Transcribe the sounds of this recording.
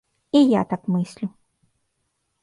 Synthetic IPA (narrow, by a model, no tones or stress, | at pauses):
ija̰t̪akmɨsʲlʲu